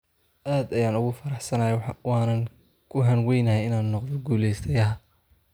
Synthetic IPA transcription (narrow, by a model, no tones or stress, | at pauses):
ʔaːd̪ɐjaːnʊɣʊfɐɾɑħsɐnɐjɐħwɑːnɐŋ | kʰʊɦɐnwɛjnɐɦɛjɪnaːnːɔqðɔɡuːlɛjst̪ʰɐjɐɦɐ